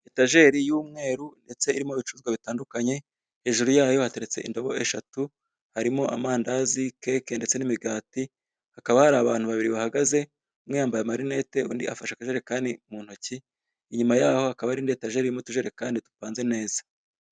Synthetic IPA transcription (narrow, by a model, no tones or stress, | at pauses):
etaʒe̞ɾijuːmŋe̞ːɾunde̞t͡se̞iɾimoβit͡ʃuzɡwaβitaːndukaɲe̞ | he̞ːʒuɾujaːjo̞hate̞ɾe̞t͡se̞̰ʔḭndoβo̞ʔe̞ʃatu | haɾimo̞ʔa̰maːndazike̞ːke̞nde̞t͡se̞nimiɡaːti | hakaβahaɾaːβaːn̥huβaβiɾiβahaɡaze̞ | mŋijaːmbajamaɾine̞ːte̞ṵːndia̰faʃakaʒe̞ɾekaːndimuːn̥hociː | ɲumajaːho̞hakaβaɾiːndietaʒe̞ɾijumotuʒe̞ɾe̞kaːnditu̥paːnze̞ne̞ːzḁ